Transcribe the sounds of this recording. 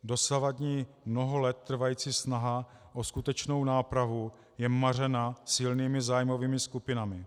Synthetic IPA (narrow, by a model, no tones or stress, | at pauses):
do̞savad̪ɲiː | mno̞ɦolɛt̪̚ːr̩vajiːt͡siːsnaɦa | ʔoskut̪ɛt͡ʃno̞wnaːpɾavu | jɛmar̝ɛnasɪlniːmɪzaːjmo̞viːmɪskupɪnamɪ